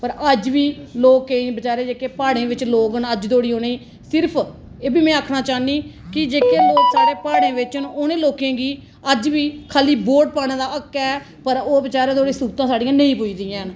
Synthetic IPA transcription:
pəɾəd͡ʒʋiːloːkẽːbət͡ʃaːɾeːd͡ʒeːkeːpaːɽẽːʋɪt͡ʃloːkənəd͡ʒt̪oːɽiːoːneiː | sɪɾpʰ | eːbiːmɛ̃ːəːkʰnaːt͡ʃaːniːkɪd͡ʒeːkeːloːksaːɾeːpaːɽẽːʋɪt͡ʃənoːnẽːloːkẽːɡiː | əd͡ʒʋiːkʰaːliːboːɖ̚paːɽeːd̪aːəkːɛː | pəɾoːbət͡ʃaːɾẽːt̪̬oːɽẽːsuːkt̪ãːsaːɖĩjãːnəĩːpʊiːd̪iːãːn

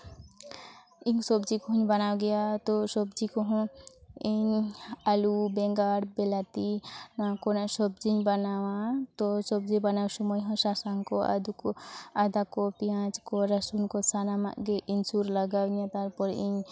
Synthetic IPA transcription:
iŋsɔbd͡ʒikoɦuɲbɐnawɡejat̪ɔsɔbd͡ʒikɔɦɔ̃iɲalubɛ̃ŋɡaɽbelat̪inakonasɔbd͡ʒiɲbɐnawãt̪ɔsɔb̚d͡ʒibɐnawsumɔjɦɔ̃sasaŋkoa̰d̪ukoad̪akopijãt͡ʃkɔɾɐsunkosanama̰ʔɡeʔinsuɾlɐɡawnat̪aɾpɔɾiɲ

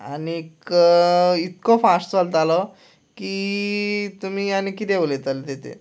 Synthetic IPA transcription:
aniek | it̪kofasʈt͡sɔlt̪alɔ | kiː | t̪um̤iːanikit̪eulet̪alt̪et̪ʰḛ

